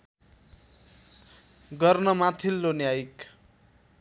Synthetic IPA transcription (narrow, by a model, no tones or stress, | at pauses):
ɡʌrnʌmat̪ʰilːonjajk